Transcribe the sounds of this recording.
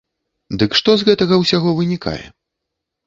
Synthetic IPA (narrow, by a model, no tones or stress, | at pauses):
d̪ɨkʂt̪ɔzɣɛt̪ɐɣɐwsʲaɣɔvɨnʲikʰa̰jɛ̰